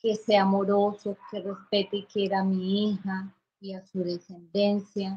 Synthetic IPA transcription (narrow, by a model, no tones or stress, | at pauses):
keseamoɾosokerespet̪ekjeɾamiiha | iasuðese̞nd̪ensja